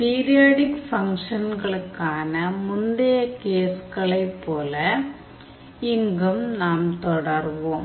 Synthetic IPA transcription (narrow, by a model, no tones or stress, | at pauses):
piːɾɪjaːɽɪkfɐŋkʂɐnɡɐɭɯkːaːnɐmʊnɖɐjɐkeːskɐɭɐɪpːoːlɐ | ɪŋɡɯmnaːmt̪ɔɽɐɾʋõːm